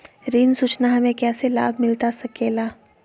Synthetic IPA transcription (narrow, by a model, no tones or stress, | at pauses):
ɾiːnsuːt͡ʃnaɦɐmẽkɛːsela̰ːbmɪlt̪asɐkeːlaː